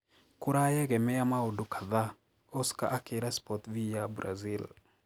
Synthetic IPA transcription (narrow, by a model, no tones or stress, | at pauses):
kuɾajeɡɛmɛjamaudukʰḁða | oska̰ʔakiɾaspɔtvijabɾʔa̰zil